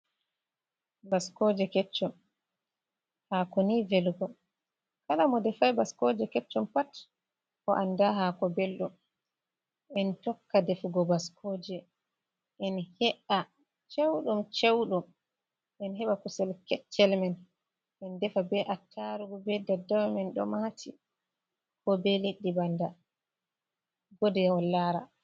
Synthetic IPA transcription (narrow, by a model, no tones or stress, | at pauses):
baskɔd͡ʒɛkɛt͡ʃːɔm | hakɔnivɛlɡɔ | kalamɔdɛfajbaskɔd͡ʒɛkɛt͡ʃːɔmpat | ʔɔʔandaɦakɔbɛlɗum | ɛntɔkːadɛfuɡɔbaskʰɔd͡ʒɛ | ʔɛnhɛʔa | t͡ʃewɗumt͡ʃewɗum | ɛnɦɛɓakusɛlkɛt͡ʃːɛlmɛn | ʔɛndɛfabɛʔatʰːaɾuɡɔbɛdɛdawmɛnɗɔ̰matʰi | kɔbɛliɗːibanda | ɡɔdɛwɔlːaɾa